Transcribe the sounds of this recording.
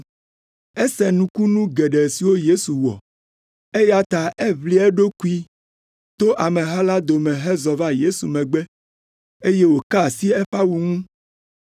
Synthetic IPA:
ɛ˦sɛ˨nũ˨ku˦nũ˦ɡɛ˨ɖɛ˨si˨wo˦je˦su˨wɔ̰˨ | e˦ja˦t̪a˨ʔɛ˦vli˦ɛ˦ɖo˦ku˦i˦ | t̪o˦ʔa˨mɛ̃˨ɦa˦la˦d̪o˨mɛ̃˨ɦɛ˦zɔ˨va˦je˦su˨mɛ̃˨ɡ͡bɛ˦ | e˦je˦wo˨ka˦˨si˦ɛ˦ɸa˦wu˨ŋũ˦

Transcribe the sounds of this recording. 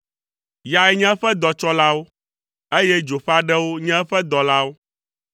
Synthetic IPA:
ja˨ɛ˦ɲɛ̃˦ɸɛ˦d̪ɔ˨t͡ʃɔ˦la˦wo˦ | e˦jɛ˦d͡ʒo˨ɸa˦ɖɛ˦wo˦ɲɛ̃˦ɸɛ˦d̪ɔ˨la˦wo˦

